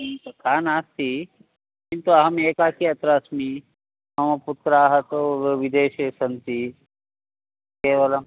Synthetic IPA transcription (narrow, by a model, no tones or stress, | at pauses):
kʰaːnaːst̪i | kint̪uɐɦɐmeːkaːkiɐt̪ɾaːsmi | ɐmɐput̪ɾaːɦɐt̪oʋid̪eːʃesɐnt̪i | keʋɐla